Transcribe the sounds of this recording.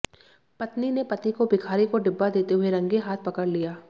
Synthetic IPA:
pɐt̪ninepɐt̪ikobɪkʰaːɾikoɖɪbːad̪eːt̪eɦʊeɾɐ̃ŋɡeɦaːt̪̚ʰpɐkəɾlijaː

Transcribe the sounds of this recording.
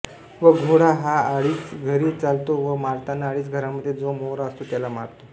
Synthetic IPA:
ʋəɡʱoɽaɦaːɽiːt͡sɡʱəɾiːt͡salt̪oʋəmaɾt̪anːaːɽiːt͡sɡʱəɾaməd̪ʱːjed͡zomoɾaəst̪ot̪jalama̰ɾt̪o

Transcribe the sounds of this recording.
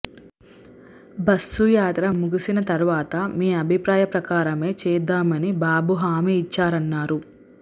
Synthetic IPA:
bɐsːujaːt̪ɾɐmuɡisinɐt̪ɐɾuʋaːt̪ɐmiːɐbʱipɾaːjɐpɾɐkaːɾɐme̞ːt͡ʃɛːd̪aːmɐnibaːbuɦaːmiːt͡ʃːaːɾɐnːaːɾu

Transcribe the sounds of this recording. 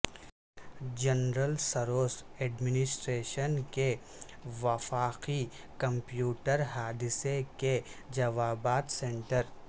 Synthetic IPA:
d͡ʒɐnɾəlsɐɾoːsɛːɖmɪnɪsʈɾeːʃənke | ʋɐfaːqi | kɐ̃mpjuːʈəɾɦaːd̪ɪseked͡ʒɐʋaːbaːt̪sẽːɳʈəɾ

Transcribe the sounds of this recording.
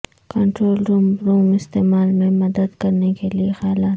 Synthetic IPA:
kɐɳʈɾoːlɾɾuːmɪst̪eːmaːlmẽmɐd̪əd̪kɐɾnekeliexjlaːt̪

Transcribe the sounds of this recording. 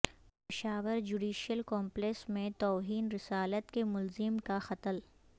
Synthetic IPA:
pɪʃaːʋəɾd͡ʒuːɖiːʃijəlkɔːmpleksmẽt̪ɔːɦiːnɾɪsaːlət̪kemʊlzɪmkaxɐt̪əl

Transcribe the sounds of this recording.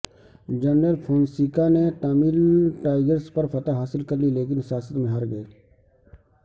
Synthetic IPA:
d͡ʒənɾəlpʰõːnsiːkaneʈ̪amɪlʈaːɪɡəɾspɐɾfʰɐt̪aɦaːsɪlkɐɾlileːk̬ɪnsjaːsət̪mẽɦaːɾɡɐeː

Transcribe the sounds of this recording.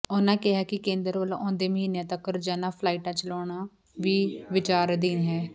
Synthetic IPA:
ʊnãːkɪɦaːkɪkẽːnd̪əɾʋəlõːnd̪eːməɦĩːnjãːt̪əkːɾd͡ʒaːnãːpʰlaːiːʈãːt͡ʃəloːɳãː | ʋiːʋɪt͡ʃaːɾd̪iːnɦɛː

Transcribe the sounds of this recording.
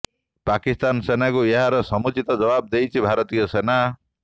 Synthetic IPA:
pakist̪ansenakojʌɦaɾʌsʌmut͡sit̪ʌd͡zʌbab̚d̪ejt͡sʰibʱaɾʌt̪ijʌsena

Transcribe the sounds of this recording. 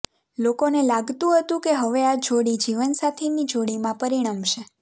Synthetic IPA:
lokonelaɡt̪ũɦət̪ũkeɦəʋead͡ʒoɽid͡ʒiʋənsat̪ʰenid͡ʒʱoɽimãpəɾiɽ̃amʃe

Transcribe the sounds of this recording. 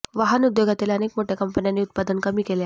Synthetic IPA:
ʋaɦənud̪joɡʱat̪iːlənekmoʈʰjekəmpənjanːiːut̪̚pad̪ənkəmiːkele

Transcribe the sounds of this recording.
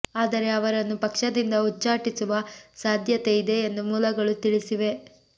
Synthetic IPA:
aːd̪ɐɾe̞ɐʋɐɾɐnːupɐkʂɐd̪ind̪ɐut͡ʃːaːʈisuʋɐsaːd̪ʱjɐt̪e̞id̪e̞ːnd̪umuːlɐɡɐɭut̪iɭisiʋe̞

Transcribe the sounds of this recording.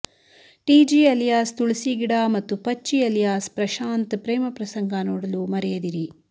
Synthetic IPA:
ʈiːd͡ʒiːɐlijaːst̪uɭisiɡiɽaːmɐt̪ːupɐt͡ʃːiɐlijaːspɾɐʃaːnt̪pɾeːmɐpɾɐsɐŋɡanoːɽɐlumɐɾɛjɐd̪iɾi

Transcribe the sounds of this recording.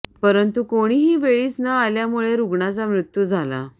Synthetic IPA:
pəɾənt̪ukoɽ̃iːɦiːʋeɭiːt͡snaːljamuɭeɾuɡɳat͡samɾut̪jud͡zʱala̰

